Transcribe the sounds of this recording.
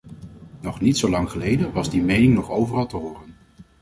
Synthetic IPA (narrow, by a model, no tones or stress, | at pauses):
nɔχnitsowlɑŋχəlejdənʋɑzdimejnɪŋnɔχowvərɑlˠtəɦʊːrən